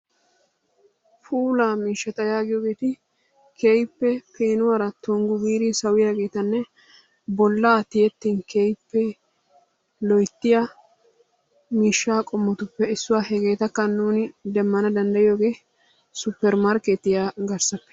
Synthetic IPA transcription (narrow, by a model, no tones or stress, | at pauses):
fuːlaːmiːʃːɐt̪ɐjaːɡɪjoːɡeːt̪ɪ | kʰeːjpːɛpeːnʊwaːɾɐt̪ɔŋɡʊbiːɾiːsɐwɪjaːɡe̞ːt̪ɐnːɛ | bɔlːaːt̪ɪjɛt̪ːiːnkeːjpːɛ | lɔjt̪ːɪjɐ | miːʃːaːkʼɔmːɔt̪ʊpːɛɪsːʊwaːhɛɡe̞ːt̪ɐkːɐnːuːnɪd̪ɛmːɐnɐd̪ɐnd̪ɐjɪjoːɡeː | sʊpːɛɾmaɾkeːt̪ːɪjaːɡɐɾsɐpːɛ̥